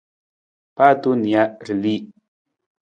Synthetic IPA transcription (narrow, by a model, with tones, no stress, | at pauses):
pa˦˨tu˦ni˨a˦˨ɾi˨li˦˨